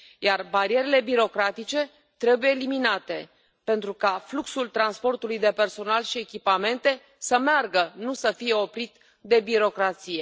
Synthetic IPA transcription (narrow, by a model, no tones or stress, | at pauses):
jarbaɾije̞ɾe̞le̞biɾo̞kɾat̪it͡ʃe̞ | t̪ɾe̞buje̞ːliminat̪e̞ | pe̞nt̪ɾukafluksult̪ɾanspo̞rt̪ulujd̪e̞pe̞rso̞nalʃie̞kʲipame̞nt̪e̞ | səmearɡənusəfije̞o̞pɾit̪ | d̪e̞biɾo̞kɾat̪sije̞